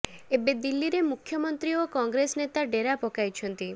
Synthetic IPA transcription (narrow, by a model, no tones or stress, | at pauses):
ebed̪ilːiɾemukʰjɔmɔnt̪ɾiokɔŋɡɾesnet̪aɖeɾapɔkajt͡ʃʰɔnt̪i